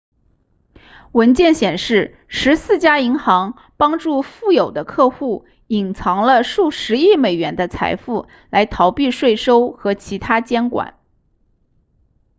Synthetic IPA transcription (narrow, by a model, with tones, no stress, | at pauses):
wə˧˥nt͡ɕjɛ˥˩nɕjɛ˨˩nʂɻ̩˥˩ | ʂɻ̩˧˥sɹ̩˥˩t͡ɕja˥i˧˥ŋxɑ˧˥ŋ | pɑ˥ŋʈ͡ʂu˥˧fu˥˩jo˨˩ʊd̪ə˦kʰɤ˥˧xu˥˩ | i˨˩nt͡sʰɑ˧˥ŋlə˧ʂu˥˩ʂɻ̩˧˥i˥˩me˨˩ɪɥɛ˧˥nd̪ə˧t͡sʰa̰˧˥ɪfu˥˩ | la˧˥ɪt̪ʰɑ˧˥ʊpi˥˧ʂwe˥˩ɪʂo˥ʊxɤ˧˥t͡ɕʰi˧˥t̪ʰa˥t͡ɕjɛ˥nkwa̰˨˩˦n